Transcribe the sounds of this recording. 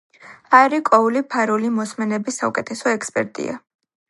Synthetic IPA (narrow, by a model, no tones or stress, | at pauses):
aɾikʼɔulipʰaɾulimɔsmɛnɛbisːaukʼɛt̪ʰɛsɔɛkspʼɛ̰ɾt̪ʼḭa̰